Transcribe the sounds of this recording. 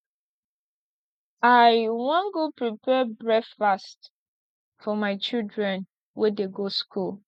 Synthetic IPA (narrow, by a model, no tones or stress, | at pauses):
aɪwãnɡopɹipɛbɹɛkfast | fɔmaɪt͡ʃildɹɛ̃n | wʔɛdeɡoskʰul